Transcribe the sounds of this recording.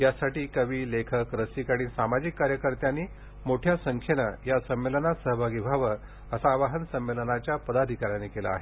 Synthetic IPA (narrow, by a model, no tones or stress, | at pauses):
jasaʈiːkəʋiːlekʰəkɾəsikaɽ̃iːsamad͡ʑikːaɾjəkəɾt̪janːiː | moʈʰjasəŋkʰjenəjasəmːelənasəɦəbʱaɡibʱaʋə | əsaʋaɦənsəmːelənat͡ɕjapəd̪ad̪ʱikaɾjanekelaːɦe